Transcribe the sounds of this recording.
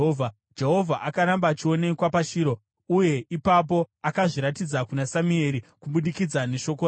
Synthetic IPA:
vʱa | d͡ʒeɦo̞vʱaʔakaɾambaːt͡ʃio̞ne̞kwapaʃiːɾo | uje̞ʔipap̬o̞akaʐiɾatid͡zakunasamue̞ɾikuɓuɗikid͡zane̞ʃo̞k̬o

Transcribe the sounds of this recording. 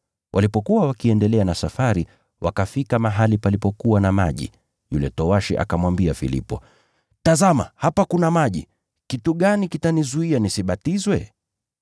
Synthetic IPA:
wʔa̰lipɔkuwawakiɛndɛlɛanasafaɾi | wʔa̰kafikamaɦalipalipɔkuwanama̰ʄḭ | julɛtɔwaʃḭʔa̰kamwambiafḭlḭpɔ̰ | tazama̰hapakunamaʄḭ | kituɠanikitanizuianisiɓatizwɛ

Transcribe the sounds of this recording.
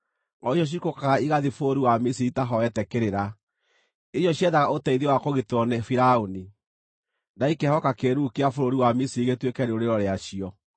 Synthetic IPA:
ŋɔiɕɔɕ̬ikokaiɣaðifoɾoɾiwamisiitaɦɔɛtɛkeɾeɾa | iɕɔɕiɛðaɣaʔotɛiðewakoɣetɔnɛfiɾaoni | ndaikɛhɔkakeɾukeafoɾoɾiwamisiiɣetwekɛɾeoɾeɾɔɾeaɕiɔ

